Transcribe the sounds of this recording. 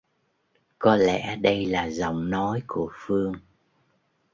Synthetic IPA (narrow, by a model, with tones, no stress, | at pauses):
kɔ˨˦lɛ̰˧˥ɗə˧jlaː˨˩zə̰˧˨wŋ͡mnɔ˨˦jku˧˩əfɨ˧əŋ